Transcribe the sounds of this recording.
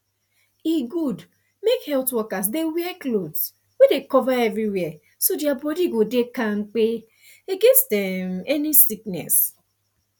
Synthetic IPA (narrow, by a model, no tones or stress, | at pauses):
iɡud | mekhɛltwɔkasdewɛɛklods | wɛdekɔvaɛvɹiwɛ | sodiabɔdiɡodekãŋ̩k͡pe | eɡẽnstdɛmɛnisiknɛ̰s